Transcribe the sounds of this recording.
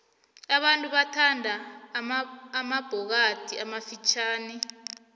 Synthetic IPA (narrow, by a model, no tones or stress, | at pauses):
aɓantʼuɓatʰandʱa | mab̥ʱɔk̬atʰiamafit͡ʃʰaːni